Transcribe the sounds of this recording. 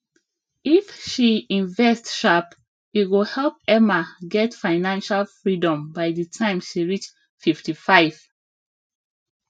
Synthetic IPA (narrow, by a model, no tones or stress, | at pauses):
ifʃiĩnvɛstʃap | iwilhɛlp̚ɛmaɡɛtfaɪnãnʃalfɹidɔ̃mbaɪdətʰãɪ̃mʃiɹit͡ʃ | fiftifaɪv̥